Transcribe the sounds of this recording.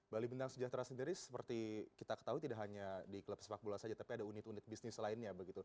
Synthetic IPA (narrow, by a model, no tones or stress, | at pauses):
balibint̪aŋsəd͡ʒaht̪ɾasəndiɾisə̥pərt̪ikit̪akə̥t̪aɦut̪idaʔɦaɲadikələpsəfak̚bulasad͡ʒat̪apiadaunɪt̪unɪt̪̚bisnɪslaɪnɲabəɡit̪u